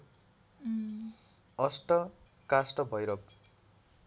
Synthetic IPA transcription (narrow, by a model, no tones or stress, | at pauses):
ʌsʈʌ | kasʈʌbʱʌjɾʌb